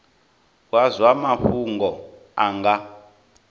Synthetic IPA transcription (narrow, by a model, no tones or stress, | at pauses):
wazwamaɸuŋɡɔ | aŋɡa